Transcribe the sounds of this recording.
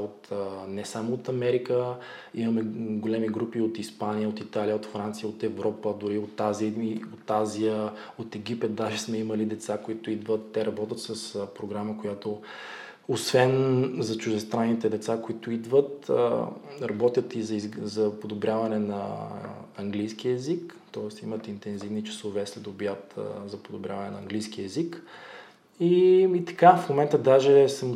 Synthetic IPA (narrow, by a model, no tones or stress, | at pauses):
ot̪ːnɛsamoːt̪ɐmɛɾikə | imɐmɛɡolɛmiɡɾupiot̪ispanijəot̪it̪aliəot̪fɾant̪sijəot̪ɛvɾɔpəd̪ʊɾiot̪ːaziot̪ːaziə | ot̪ɛɡipɛt̪̚d̪aʒɛsmɛiməlid̪ɛt̪sakoit̪ʊid̪vət̪ːɛɾɐbɔt̪ʲət̪səspɾoɡɾaməkojat̪o | osvɛnzɐt͡ʃʊʒd̪ɛst̪ɾanːit̪ɛd̪ɛt̪sakoit̪ʊid̪vət̪ə̰ɾɐbɔt̪ʲjət̪izɐizzɐpod̪obɾʲavɐnɛnɐ̰ | ɐŋɡlijsk̟iɛzikt̪ɔɛst̪imət̪int̪ɛnzivnit͡ʃi̥sovɛslɛd̪obiat̪zɐpod̪obɾʲja̰vɐnɛnɐɐŋɡlijsk̟iɛzik | iit̪ɐ̥kafmomɛnt̪əd̪aʒɛsəm